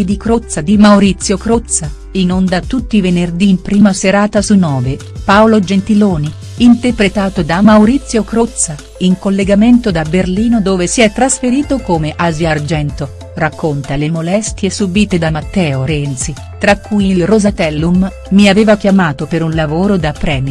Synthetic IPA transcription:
d̪ikɾot̪sːad̪imawɾit̪sːjokɾot̪sa | inond̪at̪ut̪ːivenerd̪iːmpɾiːmaseɾaːt̪asunɔːve | paolod͡ʒent̪iloːni | int̪erpɾet̪aːt̪od̪amawɾit̪sːjokɾot̪sːa | iŋkolːeɡament̪od̪aberliːnod̪oːvesiɛt̪ːɾasfeɾiːt̪okomeʔazjard͡ʒɛnt̪o | rakʰːont̪alemolɛst̪jesubiːt̪ed̪amat̪ːɛːoɾɛnt̪si | t̪ɾakːujilrozat̪ɛlːumː | iaveːvak̟jamaːt̪opeɾunlavoːɾod̪apːɾɛːm

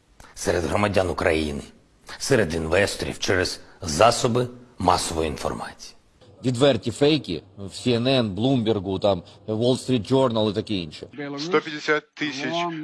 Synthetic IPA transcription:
sɛɾed̪ɦɾɔmɐdʲanʊkɾɐjḭnɪ | sɛɾed̪inʋɛst̪ɔɾʲḭwt͡ʃɛɾez̥zɑsɔbɪmɑsɔʋɔjʊinfɔ̰rmɑ̰t͡sʲi̥ji | ʋʲid̪ʋɛrtʲifɛjkʲḭwsʲiɛnɛnblˠumʲbʲɪrɡʊt̪ɑmʋɔlˠst̪ɾʲit̪̚d͡ʒɔrnɐlˠɪt̪ɐkɪinʃɪst̪ɔpʲɐd̪ʲɪsʲat̪ːɪsʲɐt͡ʃ

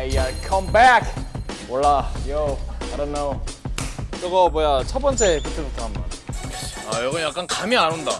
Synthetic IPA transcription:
jakʰʌ̃mbækwɔɭːajoaɪɾõnoo | kʌɡʌmwojat͡ɕʰʌp͈ʌnt͡ɕ͈e̞pɯtʰɯbutʰamʌ̰n | ajʌɡɯnjak͈ankamiaɾɯnda

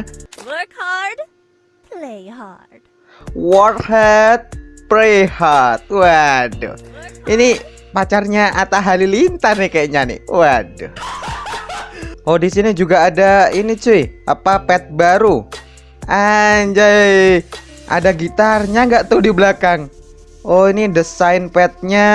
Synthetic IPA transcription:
wkhad | pleha | d | wɔrhɛt̪̚plehart̪̚wadʊ̰hini | pat͡ʃarɲaʔat̪aɦalilint̪arnɪkaaɲanɪ̰uadoh | odisinid͡ʒuɡaːdainit͡ʃuɪa̰papɛt̪̚baɾu | aɲd͡ʒa | ʔa̰daɡit̪arɲaŋɡaʔt̪ʊhdiblakaŋ | oinidəsajnpɛt̪̚ɲa

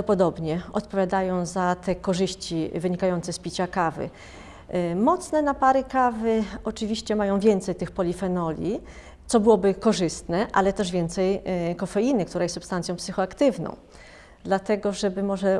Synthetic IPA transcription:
ɔpɔd̪ɔbɲɛɔt̪pɔvʲjad̪ajɔ̃w̃zat̪ɛkɔʐɘɕt͡ɕivɘɲikajɔnt̪sɛspʲit͡ɕakavɘ̰ | mɔt̪snɛnapaɾɘkavɘɔt͡ʂɘvʲiɕt͡ɕɛmajɔ̃w̃vʲjɛnt̪sɛjt̪ɘxpɔlʲifɛnɔlʲi | t̪sɔbɘwɔbɘkɔʐɘst̪nɛʔalɛt̪ɛʐvʲjɛnt̪sɛjkɔfɛjinɘkt̪uɾajɛssupst̪ant̪sʲjɔ̃w̃psɘxɔakt̪ɘvnɔ̰̃w̃ | d̪lat̪ɛɡɔʐɛbɘmɔʐɛ

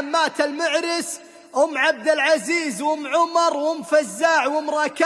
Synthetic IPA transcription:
mːaːt̪almʊʕɾɪs | ʔʊmːʕab̚d̪ɪlʕaziːzwʊmːʕʊmɑɾˤwʊmfazːaːʕwʊmɾˤɑːka

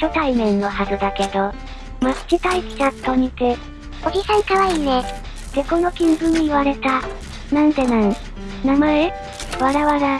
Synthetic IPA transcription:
ɕo̞t̪aimẽ̞nːo̞ɦazɨd̪ake̞d̪o̞ | mat͡ɕit̪aikʲi̥t͡ɕat̪oɲ̟it̪e | oɡʲihaikaβaiːne | d̪̥e̞ko̞nokʲĩmbɯ̟̃iβaɾe̞t̪a | nãnt̪e̞nãn | namae | βaɾaβaɾa

